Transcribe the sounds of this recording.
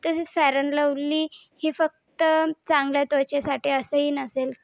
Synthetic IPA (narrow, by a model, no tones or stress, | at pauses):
t̪əsiːt͡sfæɾənləʋliːhiːfək̚t̪ət͡sãŋɡljat̪ot͡ɕasaʈiːəsəiːnəsel